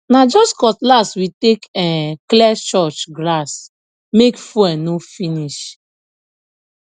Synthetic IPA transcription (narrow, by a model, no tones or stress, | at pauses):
nad͡ʒɔskɔtlaswitekɛklɛst͡ʃɔt͡ʃɡlas | mekfuɛnofiniʃ